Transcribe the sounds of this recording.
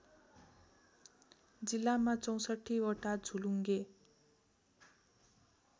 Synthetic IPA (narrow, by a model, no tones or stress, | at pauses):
d͡zilːamat͡sʌw̃sʌʈʰiwoʈad͡zʱuluŋɡe